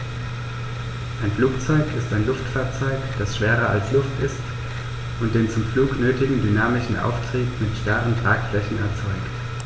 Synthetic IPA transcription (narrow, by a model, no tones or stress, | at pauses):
ʔaɪnfluːkt͡sɔʏkɪstaɪnlʊftfaːɐtt͡sɔʏkd̥asʃv̥eːʁɐa̰lslʊftɪst | ʔʊnt̚d̥eːnt͡sʊmfluːknøːtɪɡŋ̩dynaːmɪʃn̩ʔa̰ʊftʁ̥iːpmɪtʃtaʁəntʁ̥aːkflɛçn̩ɛɐt͡sɔʏkt